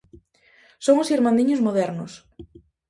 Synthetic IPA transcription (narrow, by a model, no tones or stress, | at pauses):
soŋʊsiɾmãnd̪iɲʊzmoðɛɾnʊs